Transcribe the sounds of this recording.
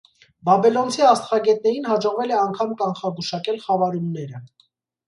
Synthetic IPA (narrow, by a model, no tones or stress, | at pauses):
bɑbɛlɔnt͡sʰiɑst̪ʁɑɡɛt̪̚nɛɾinhɑd͡ʒɔʁvɛlɛɑŋkʰɑmkɑnχɑɡuʃɑkɛlχɑvɑɾumnɛɾə